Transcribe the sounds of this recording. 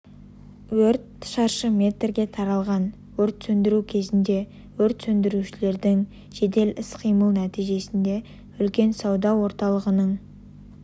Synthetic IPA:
wɵɾt̪ʃɑɾʃəmʲe̞t̪rɡʲe̞t̪ʰɑɾɑlˠʁɑn | wɵɾt̪sɵnd̪ɪɾukʲʰe̞zɪnd̪e̞ | wɵɾt̪sɵnd̪ɪɾuʃɪle̞ɾd̪ɪŋ | ʒ̥e̞d̪e̞lɪsqʰijməlˠnæt̪ijʒe̞sɪnd̪e̞ | ʏlkʲe̞nsɑwd̪ɑwo̞ɾt̪ɑlˠəʁənəɴ

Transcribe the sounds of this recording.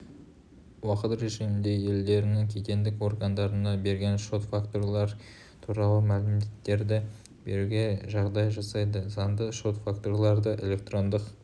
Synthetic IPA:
wɑqət̪ɾe̞ʒɪmɪnd̪e̞je̞ld̪e̞ɾɪnɪŋkʲʰe̞t̪ʲe̞nd̪ɪko̞rɡənd̪ɑɾənɑbe̞ɾɡʲe̞nʃo̞t̪fakt̪o̞rlˠɑɾ | t̪ʰuɾɑlˠəmælɪmd̪et̪ːe̞ɾd̪ɪ | be̞̰ɾuɡʲe̞ʒɑʁd̪ɑjʒɑsɑjd̪əzɑnd̪əʃo̞t̪fakt̪o̞rlˠɑɾd̪əʔe̞lʲe̞k̚t̪ro̞nd̪əq

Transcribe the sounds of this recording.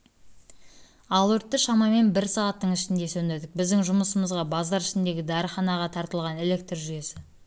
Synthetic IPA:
ɑlˠwɵɾt̪ːəʃɑmɑme̞nbɪɾsɑʁɑt̪ːəɴɪʃɪnd̪e̞sɵnd̪eɾd̪ɪk̚bɪzd̪ɪŋʒʊməsəməzʁɑbɑzd̪ɑɾɪʃɪnd̪e̞ɡʲɪd̪ɑɾəχɑnɑʁɑt̪ʰɑɾt̪əlˠʁɑne̞le̞k̚t̪rʒʏje̞sɪ

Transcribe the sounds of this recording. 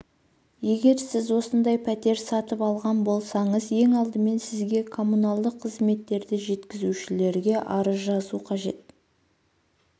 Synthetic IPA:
je̞ɡʲe̞ɾsɪzwo̞sənd̪ɑjpʰæt̪e̞ɾsɑt̪əpɑlˠʁɑnbo̞lˠsɑɴəzje̞ŋɑlˠd̪əme̞nsɪzɡʲe̞kʰo̞munɑlˠd̪əqʰːəzme̞t̪ːe̞ɾd̪ɪʒe̞t̪kʲɪzuʃɪle̞ɾɡʲe̞ʔɑɾəzʒɑzuqʰɑʒe̞t̪̚

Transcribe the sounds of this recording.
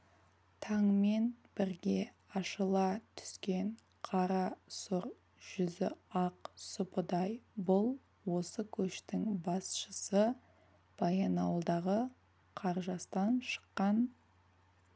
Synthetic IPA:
t̪ʰɑŋme̞nb̥ɪɾɡʲe̞ | ɑʃəlˠɑt̪ʰʏ̥skʲe̞ɴ | qʰɑɾɑsʊɾ | ʒ̥ʏzɪ̰ɑqsʊpəd̪ɑjbʊlˠ | wo̞səkʲʰɵʃt̪ɪŋbɑsʃəsə | b̥ɑjɑnɑwlˠd̪ɑʁə | qʰɑɾʒɑst̪ɑnʃə̥qːɑn

